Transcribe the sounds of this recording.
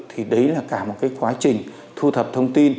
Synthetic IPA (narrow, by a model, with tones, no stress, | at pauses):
t̪ʰi˨˩ɗə˨˦jlaː˨˩kaː˧˩mo˨˩t̚kaː˨˦jkwaː˨˦t͡ɕï˨˩ŋ̟ | t̪ʰu˧t̪ʰə˨˩p̚t̪ʰə˧wŋ͡mt̪i˧n